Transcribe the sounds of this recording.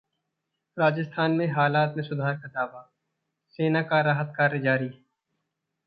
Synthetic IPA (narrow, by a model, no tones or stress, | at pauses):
ɾaːd͡ʒəst̪ʰaːnmẽɦaːlaːt̪mẽsʊd̪ʱaːɾkad̪aːʋa | seːnakaɾaːɦət̪kaːɾjd͡ʒaːɾi